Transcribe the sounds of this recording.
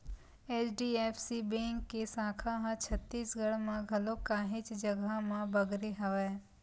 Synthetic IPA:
eːt͡ʃɖiːeːpʰsibẽːŋkːesãːkʰaɦãt͡ʃʰɐt̪ːiːsɡəɽmãɡʱɐlokaːɦɪ̃t͡ʃd͡ʒɐɡamãbɐɡɾeɦɐʋɛː

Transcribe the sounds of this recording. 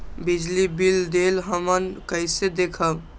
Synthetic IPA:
bid͡ʒlibild̪elɦəmənkəɪsed̪ekʰəb

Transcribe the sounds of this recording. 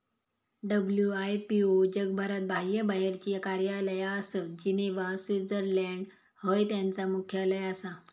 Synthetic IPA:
ɖəbljuajpiod͡ʑəɡbʱəɾat̪̚bajəbaɦeɾt͡ɕiakaɾjaləjaːsəd͡ʑineʋasʋid͡zəɾlɛɳɖ | həjt̪jãnt͡samukʰjaləjəsa

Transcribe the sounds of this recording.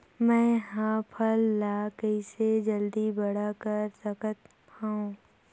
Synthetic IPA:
mɛ̃ːɦãpʰəlːaːkəɪsed͡ʒəld̪ibɐɽ̤akəɾsəkət̪ | ãũ

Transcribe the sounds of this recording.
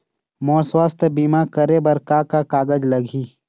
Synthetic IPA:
mɔːɾswaːst̪ʰəbiːmaːkəɾebɐɾkaːkakaːɡəd͡ʒləɡʱiː

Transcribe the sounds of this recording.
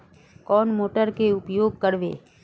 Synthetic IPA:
kɔːnmoːʈəɾkeʊpjoːɡ̚kəɾʋḛː

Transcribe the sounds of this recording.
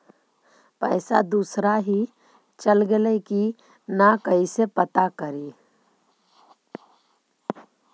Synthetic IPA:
pəɪsa̰d̪usɾaɦi | t͡ʃəlɡeleki | nakəisepət̪akəɾi

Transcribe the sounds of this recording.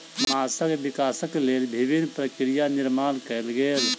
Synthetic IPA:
mmaːsəkʋɪkaːsəkleːlbʱɪbinːpɾəkɾijanɪɾmaːnkəelɡeːl

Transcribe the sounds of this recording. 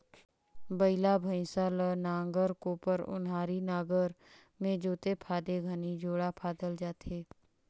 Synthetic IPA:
bəɪlabʱə̃ɪ̃salənãːŋɡəɾkoːpəɾʊ̰nɦaːɾinaːɡəɾ | mẽd͡ʒoːt̪epʰaːd̪eɡʱənid͡ʒoːɽapʰaːd̪əld͡ʒaːt̪eː

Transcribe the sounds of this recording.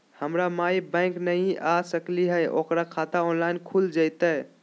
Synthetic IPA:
həmɾamajbãɪ̃knəjʔasəkliɦəjʔo̰kɾakʰat̪aɔnlajnkʰuld͡ʒəjt̪ə

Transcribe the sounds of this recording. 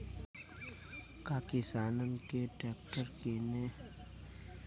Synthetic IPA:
kaːkisaːnənkeʈɛːkʈəɾkine

